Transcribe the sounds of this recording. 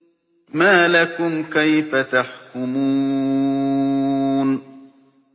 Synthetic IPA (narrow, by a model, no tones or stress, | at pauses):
maːlakʊmkajfat̪aħkʊmuː | n